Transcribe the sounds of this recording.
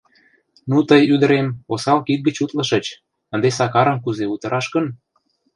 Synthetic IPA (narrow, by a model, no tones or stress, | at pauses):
nut̪əjyd̪ə̆ɾemosɑlkit̪̚ɡət͡ɕut̪lə̆ʃə̆t͡ɕ | ə̆nd̪esɑkɑɾə̆mkuzeut̪ə̆ɾɑʃkə̆n